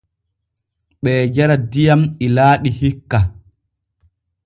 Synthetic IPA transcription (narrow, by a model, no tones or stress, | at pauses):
ɓɛːd͡ʒaɾadijamilaːɗihikːa